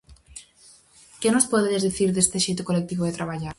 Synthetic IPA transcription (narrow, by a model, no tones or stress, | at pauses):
kenospoðezðiθiɾðest̪eʃejt̪ukolek̚t̪iβoðet̪ɾaβaʎaɾ